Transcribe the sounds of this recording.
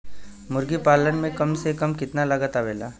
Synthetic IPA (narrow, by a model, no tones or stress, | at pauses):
mʊɾɡipaːlənmẽkɐmsekɐmkɪt̪nalɐɡat̪aʋeːla̰ː